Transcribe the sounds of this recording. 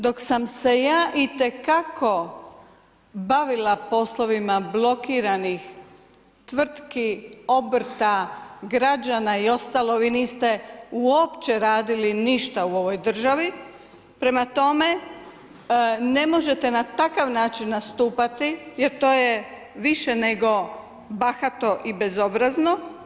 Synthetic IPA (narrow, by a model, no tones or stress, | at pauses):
d̪o̞ksamse̞jaːʔit̪e̞kakʰo̞ | baʋilapo̞slˠo̞ʋimablˠo̞kiːɾanix | t̪ʋr̩t̪kio̞br̩t̪aɡɾad͡ʒanaio̞st̪alˠo̞ʋiːniːst̪euo̞pt͡ɕeɾaːd̪iliniʃt̪auo̞ʋo̞jd̪r̩ʒaʋi | pɾe̞mat̪o̞me̞ | ne̞mo̞ʒe̞t̪e̞nat̪akaʋnaːt͡ʃinːast̪uːpat̪ijeɾt̪o̞ːje | ʋiʃeneɡo̞ | baxat̪o̞ʔibe̞zo̞bɾazno̞